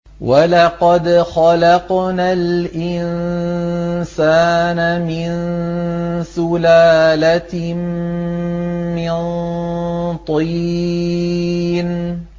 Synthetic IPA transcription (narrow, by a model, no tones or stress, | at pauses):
walɑqɑd̪xalɑqnalʔɪn | saːnamɪn | sʊlaːla | mɪnn | t̪ˤiː | n